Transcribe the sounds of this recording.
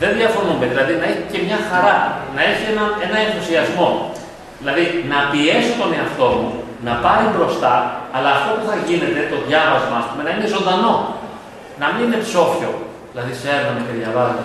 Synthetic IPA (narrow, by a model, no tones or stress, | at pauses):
ðe̞nðiɐfo̞nund̪eðilɐðinɐeçi̥ce̞mɲɐxɐɾɐnɐe̞çienɐe̞nɐe̞nθusiɐzmo̞ | ðilɐðinɐpie̞sit̪o̞neɐft̪o̞mu | nɐpɐɾibɾo̞st̪ɐːlɐːft̪opuθɐʝine̞t̪e̞t̪o̞ðʝɐvɐzmɐɐspume̞nɐine̞zo̞nd̪ɐno̞ | nɐminine̞pso̞fço̞̰ | ðilɐðise̞ɾnɐnece̞ðʝɐvɐze